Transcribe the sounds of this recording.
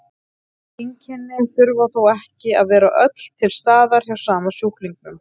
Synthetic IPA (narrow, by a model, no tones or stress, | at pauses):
iɲcʰɛnːɪðθʏɾvaθowɛhcɪaðvɛːɾaʔœt̪l̥t̪ʰɪlst̪aːðaɾ̥çawsaːmasuhkliŋknʏm